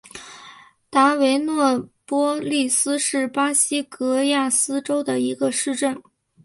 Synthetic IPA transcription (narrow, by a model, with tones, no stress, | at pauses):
t̪a˧˥we˧˥ɪnwɔ˥˩pwɔ˥li˥˩sɹ̩˥ʂɻ̩˥˩pa˥ɕi˥kɤ˧˥ja˥˩sɹ̩˥ʈ͡ʂo˥ʊd̪ə˨i˧˥ɡə˧ʂɻ̩˥˧ʈ͡ʂə˥˩n